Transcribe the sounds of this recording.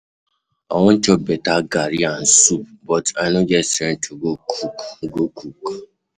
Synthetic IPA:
ɔ̰wɔ̃n̩t͡ʃɔbɛtaɡaɾian̩subɔtanod͡ʒɛstẽn̩t͡ʃoɡokʰukɡokuk

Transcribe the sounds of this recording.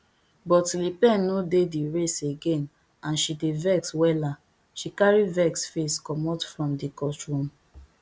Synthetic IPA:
bɔtlipɛ̃nːodediɹeseɡẽn | ãnʃidevɛkswɛla | ʃikaɹivɛksfeskɔmɔtfɹɔ̃mdikɔstɹũm

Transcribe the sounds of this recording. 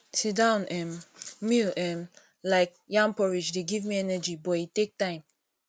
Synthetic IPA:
sidãʊ̃nɛ̃nmiɛ̃n | laɪk̚ | jãmpɔɹid͡ʒdeɡivmiɛnəd͡ʒibɔitek̚tãɪ̃m

